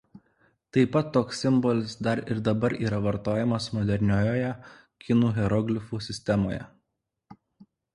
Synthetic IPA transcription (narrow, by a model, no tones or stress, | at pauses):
t̪ɐɪpɐt̪ːoːksːʲɪmbɔlʲɪsd̪ɐɾɪɾd̪ɐbɐɾiːɾɐʋɐɾt̪oːjɛmɐsmɔd̪ʲɛɾʲnʲoːjoːjɛ | kʲɪnuːɣʲɛɾɔɡlʲɪfuːsʲɪsʲt̪ʲɛmo̰ːjɛ̰